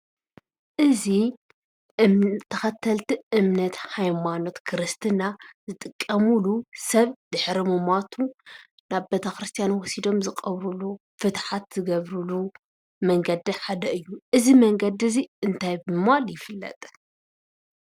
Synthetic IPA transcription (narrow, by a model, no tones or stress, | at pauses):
ʔɨzi | t̪ʰːɐxɐt̪ʰːɐlt̪iɨmnɐt̪hajmano̞t̪kʰɨɾɨst̪ʰɨnazɨt̪ʼɨkʼːɐmulusɐβd̪̥ɨħɾimɨmat̪ʰu | naβbet̪ʰɐkɾɨst̪ʰijanwɔsid̪o̞mzɨkʼɐβɾulu | fɨt̪ħat̪z̥ɨɡɐβɾulu | mɐŋɡɐd̪iħad̪ɐɨjːuʔɨzimɐŋɡɐd̪iziɨnt̪ʰajbɨmaljɪfɨlːɐ̰t̪ʼ